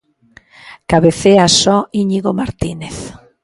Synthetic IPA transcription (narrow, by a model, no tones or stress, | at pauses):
kaβeθeasɔiɲiɣomaɾt̪ineθ